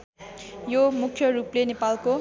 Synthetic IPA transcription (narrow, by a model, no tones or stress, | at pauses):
jomukʰːjʌruplenepalko